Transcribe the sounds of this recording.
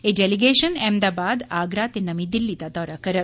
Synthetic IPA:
eɖeliɡeːʃənɛːmd̪aːbaːd̪aːɡɾaːt̪enɐmid̪ilːit̪ad̪ɔːɾakəɾət̪

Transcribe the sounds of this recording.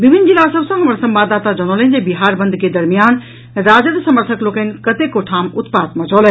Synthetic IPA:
bibʱinːd͡ʒilːasəbsə̃ɦəməɾsə̃mbad̪at̪ad͡ʒənolend͡ʒebiɦaɾbə̃nd̪ʱked̪əɾmijan | ɾad͡ʒəd̪səməɾt̪ʰəklokənkət̪ekoʈʰamut̪pat̪̚mʌ̃d͡ʒɔlɛ

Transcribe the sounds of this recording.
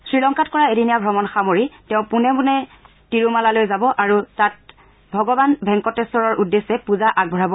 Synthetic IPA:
sɹilɔŋkatkɔɹaeɾinijabʱɹɔmɔnxamoɹitɛʊ̃punɛbunɛ | tiɹumalalojzabɔʔaɹutat̚ | bʱɔɡɔbanbʱɛŋkɔtɛsɔɹɔɹʔudːesɛpuzaʔaɡ̚bʱɔɹabɔ

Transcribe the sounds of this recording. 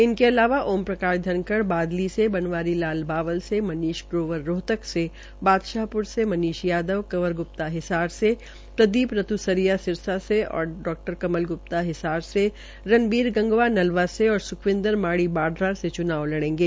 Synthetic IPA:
ɪnkeɐlaːʋaʔoːmpɾɐkaːɾd̪ʱɐnkəɽbaːd̪lisebɐnʋaːɾilaːlbaːʋəlsemɐniːʃpɾoːʋəɾːoːt̪əkse | baːd̪ʃaːɦpʊɾsemɐniːʃjaːd̪əʋkɐʋəɾɡʊp̚t̪aɦɪsaːɾse | pɾɐd̪iːpɾɐt̪usɐɾijasɪɾsaseɔ̰ːɾɖɔːk̚ʈəɾkɐməlɡʊp̚t̪aɦɪsaːɾse | ɾɐnbiːɾɡɐ̃ŋɡʋanɐlʋaseɔːɾsʊkʰʋɪ̃nd̪əɾmaːɽibaːɖɾaset͡ʃʊnaːʋlɐɽ̃ẽːŋɡeː

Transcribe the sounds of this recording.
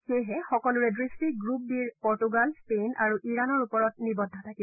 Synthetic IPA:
xejɦɛxɔkɔlʊɹɛdɹistiɡɹup̚diɹpɔɹtuɡalspenʔaɹuʔiɹanɔɹupɔɹɔt̚nibɔdʱːɔtʰakib

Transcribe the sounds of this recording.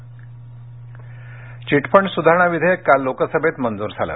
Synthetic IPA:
t͡ɕiʈpəɳsud̪ʱaɾəɳ̃aʋid̪ʱekalːokəsəbʱet̪mənd͡zuːɾd͡zʱalə̰

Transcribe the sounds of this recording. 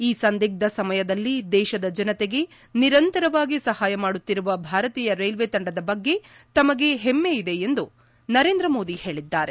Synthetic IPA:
iːsɐnd̪iːɡ̚d̪ɐsɐmɐjɐd̪ɐlːid̪ɛːʃɐd̪ɐd͡ʒɐnɐt̪eɡe̞ | niɾɐnt̪ɐɾɐʋaːɡisɐhaːjɐmaːɽut̪ːiɾuʋɐbʱaːɾɐt̪iːjɐɾejlʋet̪ɐɳɖɐd̪ɐbɐɡːe̞ | t̪ɐmɐɡe̞ɦemːeid̪e̞end̪u | nɐɾeːnd̪ɾɐmo̞ːd̪ihe̞ːɭid̪ːaːɾe̞

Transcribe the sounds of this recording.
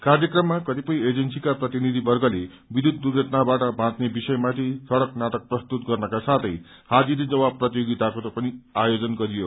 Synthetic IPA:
karjʌkrʌmːakʌt̪ipʌjed͡zensikaprʌt̪inid̪ʱibʌrɡʌle | bid̪ʱud̪d̪uɾɡʱʌʈnabaʈʌbʱãt̪nebisʌjmat̪ʰisʌɽʌknaʈʌk̚prʌst̪ut̪ɡʌrnʌkasat̪ʰʌj | had͡ziɾid͡zʌbab̚pːrʌt̪ijoɡit̪akot̪ʌpʌniajod͡zʌnɡʌɾijo

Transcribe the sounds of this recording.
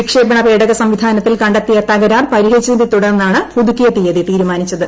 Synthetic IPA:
ikʂeːbɐɳɐpeːɽɐɣɐsɐmʋid̪ʱaːnɐt̪ːilkɐɳɖɐt̪ːijɐt̪ɐɣɐɾaːrpɐɾiɦet͡ɕːund̪et̪uɽɐrnːaːɳɨpud̪ukːijɐt̪ːijɐðit̪iːɾumaːnit͡ɕːɐðɨ

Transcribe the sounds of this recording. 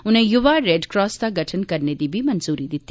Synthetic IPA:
ʊnẽjʊʋaɾeɖkɾɔːsd̪aɡɐʈʰənkɐɾned̪ibʱimɐnzuːɾid̪ɪt̪ːi

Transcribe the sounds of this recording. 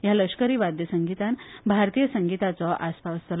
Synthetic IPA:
jaləʂkəɾiːʋad̪jəsəŋɡit̪ãnbʱaɾt̪ijəsəŋɡit̪at͡sɔʔast̪ʰaʋəst̪ʰəl

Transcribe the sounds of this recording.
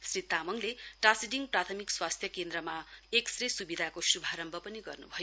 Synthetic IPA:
srit̪amʌŋleʈasiɖiŋprat̪ʰʌmikswast̪ʰjʌkend̪rʌmaeksresubid̪ʱakosubʱaɾʌmbʱʌpʌniɡʌrnṵbʱʌjo

